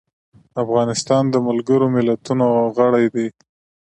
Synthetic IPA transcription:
afɣɑnɪst̪ɑnd̪əmalɡəɾomɪlat̪unoɣəɽajd̪e

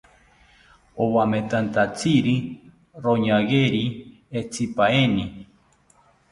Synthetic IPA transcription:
owamet̪ant̪at͡siɾi | ɾoɲaɣeɾi | et͡sipaeni

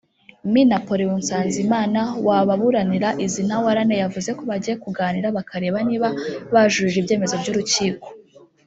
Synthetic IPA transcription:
minapo̞ɾiwunsaːnzimaːnawaβaβuɾaniɾaʔizinawaɾanejavuze̞ko̞βaɟije̞kuɡaːniɾaβakaɾe̞ːβaniːβaβaʒuiɾibɟe̞ːme̞zo̞bɟuːɾuciːko̥

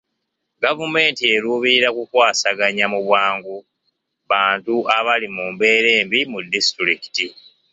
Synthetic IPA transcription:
ɡavume̞ːntie̞ɾuːβiɾakukwaːsaɡaɲamuβwaːŋɡu | βaːntuaβalimuːmbe̞ːɾe̞ːmbimudːistuɾiki̥ti

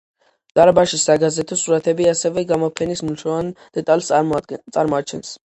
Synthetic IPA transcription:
t̪ʼaɾbaʃisaɡazɛt̪ʰɔsuɾat̪ʰɛbiasɛvɛɡamɔpʰɛnismulʃʰɔvand̪̥ɛt̪ʼalˠst̪sʼaɾmɔat͡ʃʰɛns

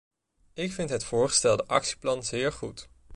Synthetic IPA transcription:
ɪkfɪntɦətfʊːɹχə̥stɛlˠdəʔɑ̰ksi̥plɑnzɪːɹχut

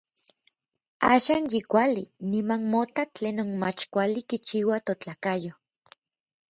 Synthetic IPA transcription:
aːʃaːnjikʷalinimanmot̪at͡ɬeːnonma̰t͡ʃkʷalikit͡ʃiwat̪ot͡ɬaːkajo

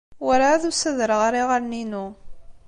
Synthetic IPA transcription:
wæɾaðusəðɾəʁaɾiʁəɾninu

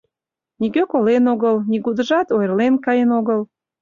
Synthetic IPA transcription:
nikøkolenoɣəlniɣud̪əʒɑt̪ojərlenkɑjənoɣəl

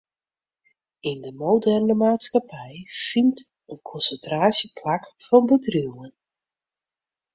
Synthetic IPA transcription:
ɪndəmowdɛrnəmaːtskapɛjfint | ənkʰɔnsəntraːsjəpʰlakfɔnbədriwən

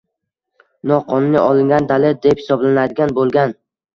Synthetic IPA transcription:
nɒqʰɒnnɪʔɒlˠɪŋɡʲand̪alɪd̪ephɪ̥sɒblanad̪ɪɡʲanbolˠɡʲan

